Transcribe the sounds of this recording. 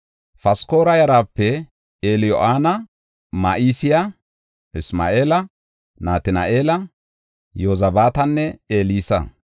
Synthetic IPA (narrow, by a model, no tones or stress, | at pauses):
fɐsko̞ːɾɐjɐɾaːpːɛ | eːlɪjɔ̰ʔaːnɐ | maʔiːsɪjɐ | ɪsma̰ːʔe̞ːlɐ | naːt̪ɪna̰ʔe̞ːlɐ | joːzɐbaːt̪ɐnːɛeːliːsɐ̰